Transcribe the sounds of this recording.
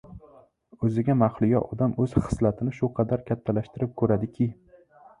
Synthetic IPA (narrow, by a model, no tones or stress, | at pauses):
ɵzɪɡʲamaχlˠʊjɒʔɒd̪amɵz̥χɨ̥slat̪ʰɪnɪʃʊqʰɑd̪aɾkʲʰat̪ʰːalaʃt̪ɪɾɪp̚kʰɵɾad̪ɪkʲʰɪ